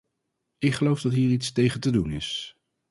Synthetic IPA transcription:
ɪkχəlowfdɑtɦiːɹitstejχəntədunɪs

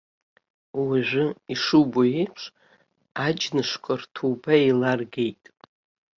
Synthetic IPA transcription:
waʒᶣʷʊiʂuboepʰʂ | ad͡ʒnɨʂkʷʰʼartʰubailarɡejtʼ

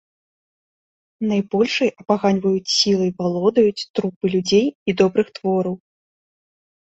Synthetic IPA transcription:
najbɔlʲʂɐjʔɐpaɣanʲvɐjut͡sʲsʲilˠɐjvalˠɔd̪ɐjut͡sʲt̪ɾupɨlʲud͡zʲejid̪ɔbɾɨxt̪vɔɾɐw

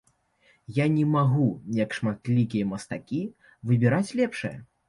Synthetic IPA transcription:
janʲɛmaɣuijɐkʂmat̪lʲikʲijɛmɐst̪akʲi | vɨbʲiɾat͡sʲlʲɛpʂɨjɐ̰

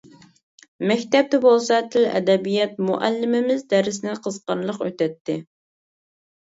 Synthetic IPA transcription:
mɛkʲt̪ɛp̚t̪ɛbolˠsɑt̪ʰɪlɛ̰d̪ɛbijɛt̪̚muʔælːɪmɪmɪzd̪æɾɪsɪnɪqʰəzqɑnlˠəqøt̪ʰɛt̪ʰːɪ̰

